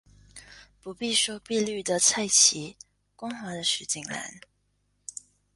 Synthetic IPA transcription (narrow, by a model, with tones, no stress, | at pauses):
pu˧˥pi˥˧ʂɔ˥ʊpi˥˧ly˥˩d̪ə˨t͡sʰa˥˩ɪt͡ɕʰi˧˥ | kʊ˥ŋxa˧˥d̪ə˧ʂɻ̩˧˥t͡ɕi˥˩ŋla̰˧˥n